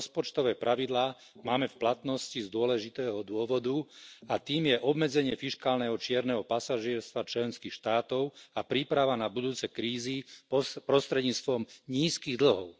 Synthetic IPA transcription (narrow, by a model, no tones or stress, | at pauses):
spɔt͡ʃt̪ɔʋɛːpɾʔaʋid̪laː | maːmɛfplat̪nɔscizd̪ʊɔlɛʒit̪ɛːɦɔd̪ʊɔʋɔd̪uat̪iːmjɛʔɔbmɛd͡zɛɲɪɛfiʃkaːlnɛɦɔt͡ʃɪɛɾnɛɦɔpasaʒɪɛɾst̪ʋat͡ʃlɛnskixʃt̪aːt̪ɔʊapɾiːpɾaʋanabud̪uːt͡sɛjkɾiːzipɾɔst̪ɾɛd̪ɲiːt͡st̪ʋɔmɲiːskiɣd̪l̩ɦɔʊ